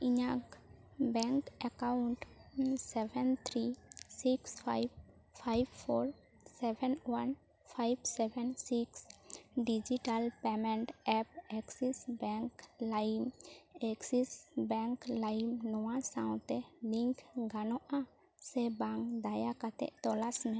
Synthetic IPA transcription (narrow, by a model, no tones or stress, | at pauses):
iɲãk | bɛŋkɛkawʊɳʈsɛbʱɛnt̪ʰɾisikspʰa̰jb | pʰajbpʰoɾ | sɛbʱɛnwan | pʰajbsɛbʱɛnsiksɖid͡ʒiʈalpɛmɛɳʈɛp̚ɛksisbɛŋklajmɛksisbɛ̃ŋklajmnɔwasaw̃t̪ɛliŋkʰɡanɔʔã | sɛbaŋd̪ajakat̪ɛ̰ʔt̪ɔlasmɛ̃